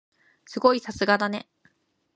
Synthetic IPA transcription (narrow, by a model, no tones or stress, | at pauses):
sɨɡo̞isasɨɡad̪ane̞̰